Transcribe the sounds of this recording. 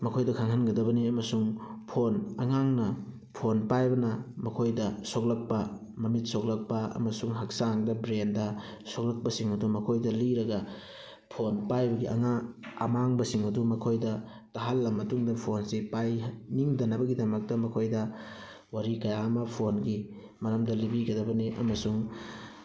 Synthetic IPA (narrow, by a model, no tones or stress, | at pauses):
mɐkʰojdɐkʰaŋɦɐnɡɐdɐbɐniɐmɐsuŋpʰonɐŋaŋnɐ | pʰonpajbɐnɐmɐkʰojdɐsok̚lɐk̚pɐ | mɐmit̚sok̚lɐk̚pɐɐ̰mɐsuŋɦɐk̚saŋdɐbɾendɐsok̚lɐk̚pɐsiŋɐdumɐkʰojdɐliɾɐɡɐ | pʰonpajbɐɡiʔɐ̰ŋa̰ːmaŋbɐsiŋɐdumɐkʰojdɐ | tɐɦɐlːɐmɐtuŋdɐpʰonsipajniŋdɐnɐbɐɡidɐmɐk̚tɐmɐkʰojdɐ | waɾikɐjamɐpʰonɡi | mɐɾɐmdɐlibiɡɐdɐbɐniʔɐ̰mɐsuŋ